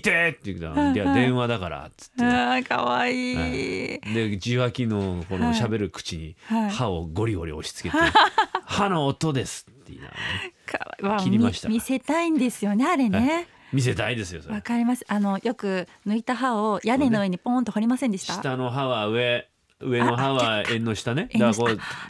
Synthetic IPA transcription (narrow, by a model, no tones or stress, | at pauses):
it̪et̪ːeit̪a̰ad̪ẽ̞ɰ̃βad̪akaɾa̰t͡sɨ̥t̪ːaka̰βaiː | d̪e̞d͡ʑiβakʲino̞ko̞nɕabe̞ɾɯ̟kɯ̟̥t͡ɕiɲ̟ihaihaoɡo̞ɾʲiɡo̞̰ɾʲḭo̞ɕi̥t͡sɨ̥ke̞ehano̞ːt̪o̞d̪e̞sɨ̥t̪ːeḭna̰ekʰaaβaiɾimimaɕi̥t̪amʲise̞t̪aĩnd̪e̞sɨjo̞ne̞aɾe̞ne̞ | mʲis̬e̞t̪aid̪e̞sɨjosoakaɾʲimasɨ̥ano̞jo̞kɯ̟ | nɯit̪aɦaojane̞noɯ̟eɲ̟ipõnt̪ohoɾʲimasẽnd̪eɕiɕt̪ait̪ano̞ɦaβaɯ̟e̞ | ɯ̟e̞no̞ɦaβaẽnːo̞ɕi̥t̪aneed̪akko